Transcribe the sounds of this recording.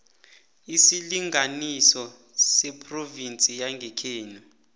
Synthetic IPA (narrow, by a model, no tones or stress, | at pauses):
isiliŋanisɔ | sɛpʰʼrovint͡sʼijaŋɡʱɛkʰeːnu